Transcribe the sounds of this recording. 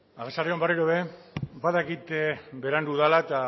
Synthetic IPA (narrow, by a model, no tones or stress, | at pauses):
aɣesareombariɾoβe̞ | baðakit̪ebe̞ɾand̪uðalat̪a